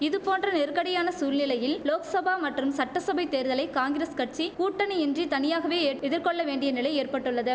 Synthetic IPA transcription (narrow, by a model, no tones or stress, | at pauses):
ɪðɯpoːndrɐnɛɾkɐɽɪjaːnɐsuːlnɪlɐjɪlloːkɐsɐbaːmɐʈrɯmsɐʈːɐsɐbɐɪt̪ːeːɾðɐlɐɪkaːŋɡɪɾeːskɐʈ̚t͡ʃikuːʈːɐnɐɛndrit̪ɐnɪjaːɣɐʋeːɛðɪɾkɔɭːɐʋeːɳɖɪjɐnɪlɐɪeːrpɐʈːɯɭːɐðɯ